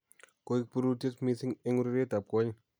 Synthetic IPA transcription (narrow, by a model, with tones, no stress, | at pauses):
ko˦i˦k̚pu˦ɾu˦te˦smi˦si˦ŋɪ˦ŋu˦ɾi˦ɾe˦ta˨p̚kɔ˦ɲ